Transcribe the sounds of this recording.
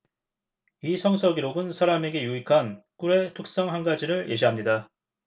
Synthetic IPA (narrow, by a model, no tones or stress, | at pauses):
isʰʌŋsʰʌɡiɾoɡɯnsʰaɾame̞ɡe̞juikʰank͈uɾe̞tʰuk̚s͈ʌŋɦanɡad͡ʑiɾɯɭjʔe̞ɕ̬ʰiɦamɲida